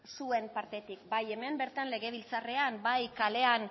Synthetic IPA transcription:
sue̞mpaɾt̪e̞t̪ikbaje̞me̞mbe̞ɾt̪anle̞ɣ̞e̞β̞ilt͡sare̞ambajkale̞an

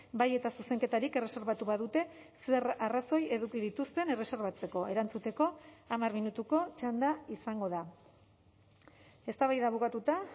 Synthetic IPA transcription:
baje̞t̪asuse̞ŋke̞t̪aɾike̞re̞se̞ɾβat̪uβaðut̪e̞se̞raraso̞je̞ðukiðit̪ust̪e̞ne̞re̞se̞ɾβat͡se̞ko̞eɾant͡sut̪e̞ko̞amarminut̪uko̞t͡ʃand̪aisaŋɡo̞ð̞a | e̞st̪aβajðaβ̞ukat̪ut̪a

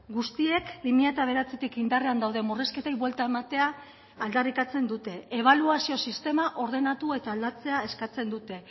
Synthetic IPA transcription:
ɡust̪ie̞kbimiat̪aβ̞e̞ɾat͡set̪ikind̪areand̪awðe̞mure̞ske̞t̪ejβwelt̪ae̞mat̪e̞aː | ld̪arikat͡se̞nd̪ut̪e̞eβ̞aluasio̞sist̪e̞maʔo̞ɾð̞e̞nat̪ue̞t̪aːld̪at͡se̞ae̞skat͡se̞nd̪ut̪e̞

